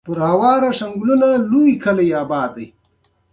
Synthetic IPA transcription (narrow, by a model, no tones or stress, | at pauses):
pʊɾhawɑːɾaʂaŋɡlunalujkʰalajaːbɑːd̪ːaj